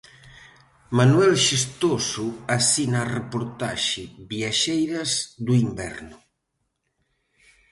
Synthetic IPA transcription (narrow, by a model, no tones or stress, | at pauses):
manuɛlʃist̪osuasinaːrepoɾt̪aʃɪβjaʃejɾɐzd̪uimbɛ̰ɾnʊ